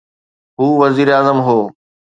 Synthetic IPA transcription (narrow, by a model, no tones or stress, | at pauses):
ɦuːʋɐziːɾaːzəmɦoː